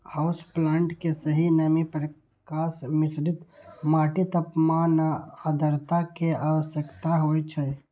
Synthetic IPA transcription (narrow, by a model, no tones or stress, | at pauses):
haʊsplaːɳʈkesəɦinamipɾə | kaːsmɪsɾɪt̪maːʈit̪əpmaːnaad̪əɾt̪akeaːʋəsjəkt̪aɦoːit͡ʃʰɛ